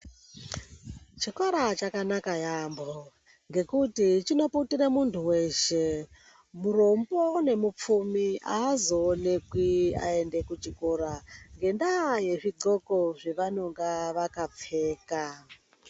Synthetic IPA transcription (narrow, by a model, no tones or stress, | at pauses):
t͡ʃikwaɾat͡ʃakanakajambo | ŋɡe̞kutit͡ʃino̞putiɾemuntʰuweʃe | muro̞mbone̞mup͡fumiaːzoːnekwia̰e̞nde̞kut͡ʃikoɾaŋɡe̞ndaje̞ʐiǃo̞ko̞ʐeʋano̞ŋɡaʋakap͡fe̞ːka